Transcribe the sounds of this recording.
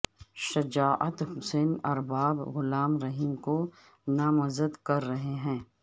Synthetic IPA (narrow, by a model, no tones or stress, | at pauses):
ʃɐd͡ʒaːʔə̰t̪hʊseːnɐɾbaːbɣʊlaːmɾɐɦiːmko | namɐzəd̪kɐɾːɐɦeɦɛ̃ː